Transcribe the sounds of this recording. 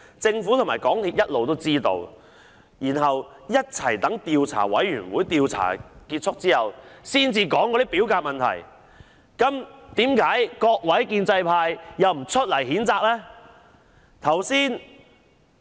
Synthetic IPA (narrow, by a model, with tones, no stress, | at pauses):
t͡sɪ˧ŋfuː˨˥t̪ʰmaː˨˩jkɔː˨˥ŋt̪ʰiː˧p̚jɐ˥t̚lo˨wt̪o˥wt͡siː˥t̪o̰˧w | jiː˨˩nɦɐ˨w | jɐ˥t̚t͡sʰɐ˨˩jt̪ɐ˨˥ŋt̪iː˧wt͡sʰa̰ː˨˩wɐ̰˨˥jɥyː˨˩nwuː˨˥jt̪iː˧wt͡sʰa̰ː˨˩kiː˧t̚t͡sʰʊ˥k̚t͡siː˥hɐ˨wsiː˥nt͡siː˧kɔː˨˥ŋkɔ˨˧ɾiː˦˥piː˨˥wkaː˧t̚mɐ˨nt̪ʰɐ̰˨˩j | kɐ˨˥mt̪iː˨˥mkaː˨˥jkɔː˧k̚wɐ˨˥jkiː˧nt͡sɐ˧jpʰaː˧jːɐ˨wm̩˨˩t͡ʃʰɵ˥t̚lɐ˨˩jhiː˨˥nt͡saː˧k̚lɛ˥ | t̪ʰɐ˨˩wsiː˥n